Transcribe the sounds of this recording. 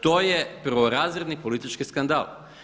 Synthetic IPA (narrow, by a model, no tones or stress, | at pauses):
t̪o̞ːjepɾʋoɾaːzɾed̪nipo̞lit̪it͡ʃkiskand̪a̰ːl